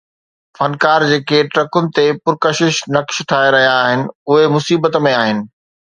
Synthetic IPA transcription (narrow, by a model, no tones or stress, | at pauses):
fɐnkaːɾd͡ʑeːkeʈɾɐkʊnɪ̆t̪epʊɾkəʃɪʃnɐkʃʈʰaːeɾɐɦijaːɦɪnɪ̆ʊɦemʊsiːbət̪mẽaːɦɪnɪ̆